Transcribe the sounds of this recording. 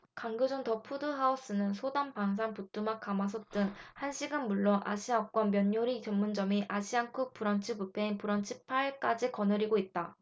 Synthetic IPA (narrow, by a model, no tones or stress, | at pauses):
kaŋɡɯd͡ʑontʌpʰudɯɦaos͈ɯnɯnsʰodampaŋs̬ʰaŋput͈umak̚k͈amas̬ʰʌt͈ɯŋhanɕʰiɡɯnmuɭːonʔa̰ɕʰiak̚k͈wʌnmjʌɲːoɾit͡ɕʌmːund͡ʑʌmiʔaɕʰiaŋkʰuk̚p͈uɾʌnt͡ɕʰipupʰeinpuɾʌnt͡ɕʰi̥pʰaiɭk͈ad͡ʑikʌnɯɾiɡoit̚t͈a